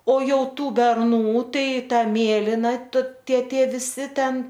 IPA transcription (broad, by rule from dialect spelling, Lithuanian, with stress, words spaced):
oː ˈjɛʊ ˈtuː bʲɛrˈnuː ˈtɐɪ ˈtɐ ˈmʲeːlʲɪnɐ t ˈtʲiɛ ˈtʲiɛ ʋʲɪˈsʲɪ ˈtʲɛn